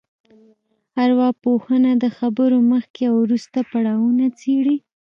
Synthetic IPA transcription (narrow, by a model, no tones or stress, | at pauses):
haɾwɑpohənad̪əxabəɾoməxkewɾust̪apaɽɑwunat͡seɽi